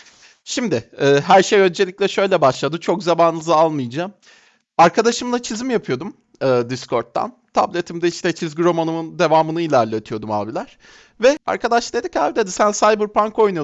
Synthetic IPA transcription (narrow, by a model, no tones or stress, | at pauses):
ʃimd̪ɪɛːɦæɾʃejø̞nd͡ʒe̞lʲicʲlʲɛʃø̞jlʲɛbaʃlˠad̪ɯt͡ʃʰo̞kzamanlˠɯzalˠmɯjd͡ʒam | aɾkʰad̪aʃɯmlˠat͡ʃʰizimjapʰɯjo̞d̪um | ɯːd̪iskʰo̞ɾt̪ʰːa̰nt̪ʰa̰blʲe̞t̪ʰimd̪ɛiʃt̪ɛt͡ʃʰizɡʲiɾo̞manɯmɯnd̪e̞vaːmɯnɯilʲæɾlʲet̪ʰijo̞d̪uma̰ːbilʲæɾ̥ | vɛa̰ɾkʰad̪aʃlˠaed̪ikavd̪ed̪isænsajbɯɾpʰaŋkʰo̞jnujo